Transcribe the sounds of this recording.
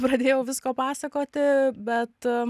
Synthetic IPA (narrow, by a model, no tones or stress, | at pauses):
pɾɐd̪ʲeːjɛʊʋʲɪskoːpɑːsɐkoːt̪ʲɪbʲɛt̪